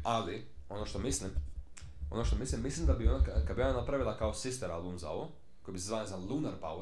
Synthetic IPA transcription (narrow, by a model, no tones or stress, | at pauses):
ali | o̞noʃt̪o̞mislim | onoʃt̪omislimːislimd̪abionakkad̪bionanapɾaʋilˠakaosist̪eɾalˠuːnza̰oʋo | kojibisezvaːlnezanlˠunaɾpa̰w